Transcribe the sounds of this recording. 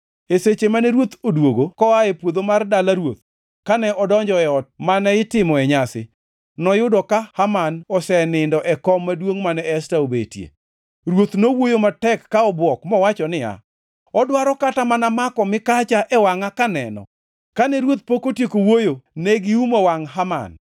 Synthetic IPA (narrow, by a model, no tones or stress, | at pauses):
eset͡ʃemanɛɾwot̪odwoɡokɔaɛpwod̪omardalaɾwot̪̚ | kanɛʔɔdɔɲd͡ʒɔɛɔt̚manɛɪtɪmɔɛɲasɪ̰ | nɔjʊdɔkahamanɔsɛnɪndɔʔɛkɔmːadwoŋmanɛstaobḛtjḛ | ɾwot̪nowojomatɛkːaɔbwɔkmɔwat͡ʃɔnɪa̰ | ɔdwaɾɔkatamanamakɔmɪkat͡ʃaʔɛwaŋakanɛnɔ̰ | kanɛɾwot̪̚pokotjekowojonɛɡɪumawaŋɦama̰n